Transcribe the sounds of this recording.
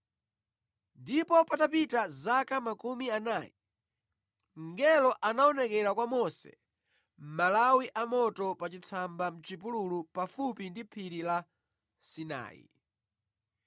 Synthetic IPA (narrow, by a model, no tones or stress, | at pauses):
ndipɔpatapitazakamakumianaːji | ŋŋɡɛlɔʔanaɔnɛkɛɾakwamɔsɛ̰ | m̩malawiʔamɔtɔpat͡ʃit͡sʰambam̩t͡ʃipululupafupindipʰiɾila | sina̰ːḭ